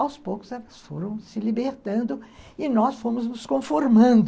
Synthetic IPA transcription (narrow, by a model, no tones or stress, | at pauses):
awspowkʊzɛvɐsfo̰ɾɐ̃w̃sɪlibeɾt̪ɐ̃nd̪ʊɪnɔsfõmʊznʊskõfoɾmɐ̃nd̪